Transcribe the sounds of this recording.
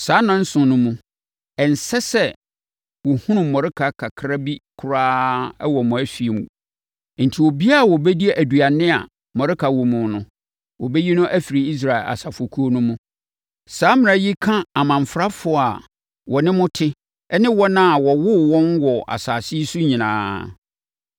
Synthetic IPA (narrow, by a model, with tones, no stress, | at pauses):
saː˨˦nã˦n̩˦sʊ̃˨nʊ̃˦mũ˦ | ɛ˨n̩˨sɛ˦sɛ˦ | wɔ˨hũ˦nʊ̃˨mɔ˨ɾɪ˦kʰa˨kʰa˨kʰɾa˦bi˦kʰʊ˨ɾaː˦ɛ˦wɔ˨mʊ̃˨æ˦fi˨mṵ̃˨ | n̩˨tʰi˨wɔ˨bi˦a˦˨wɔ˨bɛ˦di˦e˦ʔæ˨du˨a˨nɪ̃˦a̰˨ | mɔ˨ɾɪ˦kʰa˨wɔ˨mʊ̃˨nʊ̃˦ | wɔ˨bɛ˦ji˦nʊ̃˦ʔæ˦fi˨ɾi˨i˦s̬ɾa˨ɪ˨lʔa̰˨sa˨fo˨kʰu˦o˦nʊ̃˦mũ˦ | saː˨˦mɪ̃˨a˨˦ji˦kʰã˦a˨mã˨ɱ˨fɾa˦fʊ˨a˨ | wʔɔ˨nɪ̃˦mʊ̃˦tʰɪ˦ | ɛ˦nɪ̃˦wɔ˦nã˦a˨wɔ˨wʊ˦wɔ̃˦nwɔ˨ʔa̰˨saː˨sɪ˦sʊ˦ɲĩ˨nã̰ː˨˦